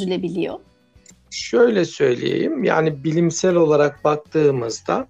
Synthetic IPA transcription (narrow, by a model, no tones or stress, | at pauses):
ylʲebilʲijo | ʃø̞jlʲɛsø̞jlʲḛjḛjimja̰ːnibilʲimsælʲo̞lˠaɾak̚bak̚t̪ʰɯːmɯzd̪a̰